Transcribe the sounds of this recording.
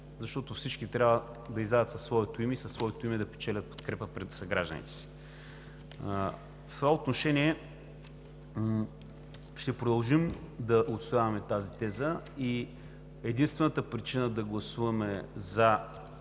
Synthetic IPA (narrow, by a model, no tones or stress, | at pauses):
zɐʃt̪ɔt̪ofsit͡ʃk̟it̪ɾʲabvə | d̪ɐizd̪ad̪ət̪sɐsːvɔɛt̪oimɛisəsːvɔɛt̪oimɛd̪ɐpɛ̥t͡ʃɛlʲɐt̪̚po̥t̪kɾɛpəpɾɛt̪sɐɡɾaʒd̪ə̰nḭt̪ɛ̥si̥ | ft̪ovaot̪noʃɛniɛ | ʃt̪ɛpɾod̪ɐlˠʒimd̪ɐʔot̪st̪ojavɐmɛt̪azit̪ɛzəi | ɛd̪inst̪vɛnət̪əpɾit͡ʃinəd̪ɐɡlˠɐsuvɐmɛzɐ